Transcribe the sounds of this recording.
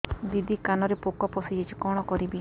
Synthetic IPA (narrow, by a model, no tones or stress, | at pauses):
bid̪ʱikanɔɾepokɔpɔsid͡ʒet͡ʃʰi̥kɔɽ̃ɔkɔɾibe